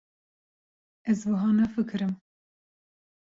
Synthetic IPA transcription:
ɛzwɨɦɑːnɛfɨkʰɨɾɨm

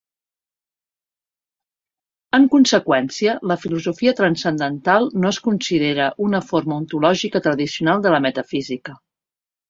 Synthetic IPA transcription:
əŋkunsəkwɛnsiələfiluzufiət̪ɾənsənd̪ənt̪alˠnoəskunsiðeɾəʔunəfoɾməunt̪ulɔʒikət̪ɾəðisiunalˠd̪ələmət̪əfizikə

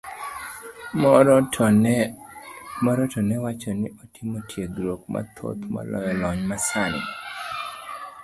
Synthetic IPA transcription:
mɔɾɔtɔnɛwat͡ʃɔnɪɔtɪmotʰjeɡɾokma̰t̪ʰo̰t̪ma̰lɔ̰jɔlɔɲmasanɪ̰

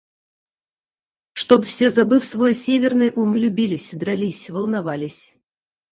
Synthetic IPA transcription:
ʂt̪obfsʲezɐbɨfsvojsʲevʲɪrnɨjʔumlʲʊbʲilʲɪsʲd̪ɾɐlʲisʲvəlˠnɐvalʲɪsʲ

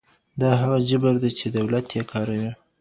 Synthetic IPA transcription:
d̪ɑɦaɣad͡ʒʊbaɾd̪at͡ʃed̪awlat̪jɑkʰɑɾawi

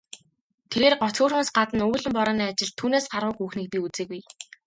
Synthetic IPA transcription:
t̪ʰeɣeːrɢɔt͡sxuːroːsɢat̪ə̆nuːɮɘ̆mpɔɾɔːniːat͡ɕɪ̆ɮt̪ʰːuːneːsɢarʁʊːkuːxniːk̚piːut͡seːɣuj

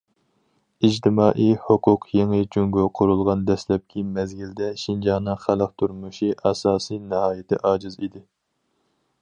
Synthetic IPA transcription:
id͡ʒt̪ʰɪmɑːʔihʊqʰʊqʰjeŋɨd͡ʒyŋɡuqʰʊɾulˠʁɑnd̪ɛslɛp̚kʲʰimɛzɡʲild̪ɛʃind͡ʒɑːnɨŋχæləq̚t̪ʰuɾmuʃiʔɑsɑːsijnɨhɑːjɪt̪ʰɪ̰ʔɑːd͡ʒɨzid̪ɪ

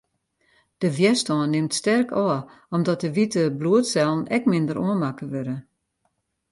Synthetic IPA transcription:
d̥əʋjɛstɔːnːɪmtstɛrkʰɔːə | ɔmdɔt̚dəʋitəbluətsɛlˠn̩ɛkmɪndəɾoənmakəʋøɾə

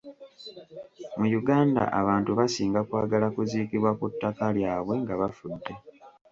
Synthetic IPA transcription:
mujuɡaːnda̰ʔa̰βaːntuβasiːŋɡakwaːɡalakuziːkiβwakutːakaljaːβwe̞ŋɡaβafudːe̞

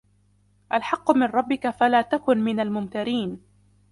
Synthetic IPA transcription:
ʔalħɑqːʊmɪnɾˤɑbːɪkafalaːt̪akʊnmɪnalmʊmt̪aɾiːn

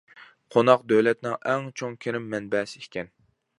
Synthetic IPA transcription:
qʰonɑqd̪øwlɛt̪nɪŋɛŋt͡ʃʰoŋkʲʰeɾɪmːɛnbɛːsɪ̥kʲʰɛn

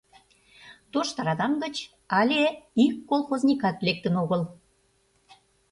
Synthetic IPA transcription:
t̪oʃt̪ɑɾɑd̪ɑmɡə̆t͡ɕ | ɑlʲeikːolˠxoznʲikɑt̪lek̚t̪ənoɣəl

